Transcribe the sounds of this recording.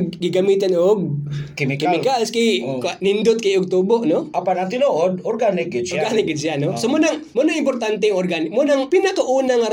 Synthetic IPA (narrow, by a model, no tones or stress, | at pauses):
ɡɡiɡamit̪anoɡ̚kimɪkɪmɪkalskijkanɪnd̪ʊt̪̚kajʊk̚t̪uboʔnoʔapanaŋt̪ɪnoʔod̪̚oɾɡanɪk̚ɡɪd̪sɾɡanɪk̚ɡɪd̪sianosomʊnaŋmʊnaŋɪmpʊɾt̪ant̪ɛaŋorɡanɪkmonaŋpinakaʔuːnaŋaɾ